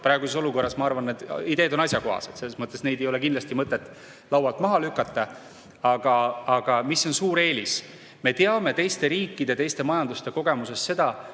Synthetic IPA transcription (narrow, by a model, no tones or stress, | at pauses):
pɾɑeɡuseso̞luko̞rːɑsmɑɑrvɑnːed̪id̪e̞ːd̪onɑsʲjɑko̞ɦɑ̰sed̪se̞lːesmɤt̪ːˑe̞sne̞jd̪̥e̞jo̞le̞k̬ind̪lɑst̪imɤt̪ːˑet̪ːˑ | lɑwɑlt̪ˑmɑɦɑlykːˑɑt̪ːˑɑ | ɑɡ̥ɑɑɡ̥ɑmisːo̞nsuːɾe̞ːlis | me̞t̪eɑme̞t̪e̞jst̪e̞ɾiːkːˑid̪̥e̞t̪e̞jst̪e̞mɑjɑnd̪ust̪e̞ko̞ɡ̥e̞muse̞sːe̞d̪̥ɑ